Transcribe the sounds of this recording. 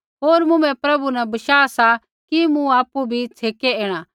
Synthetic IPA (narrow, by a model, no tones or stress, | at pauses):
ɦoːɾmʊ̃mɛ̃pɾɐbunɛbɐʃaːasa | kimũaːpubʱit͡sʰeːkeẽːɽ̃aː